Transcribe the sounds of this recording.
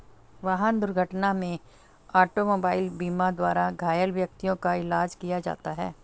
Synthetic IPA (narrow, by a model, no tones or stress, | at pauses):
ʋaɦand̪ʊɾɡʱəʈnamẽ | aːʈomoːbaːɪlbiːmad̪waːɾaɡʱaːjəlʋjɐk̚t̪ijõkaɪlaːd͡ʒkijad͡ʒa̰ːt̪aɦɛ̰ː